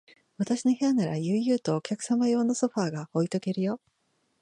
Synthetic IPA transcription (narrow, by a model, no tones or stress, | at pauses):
βat̪aɕino̞he̞anaɾajɯːjɯ̟ːt̪o̞ːkʲakɯ̟̥samajo̞ːnoso̞ɸaːɡao̞it̪o̞ke̞ɾɯ̟jo̞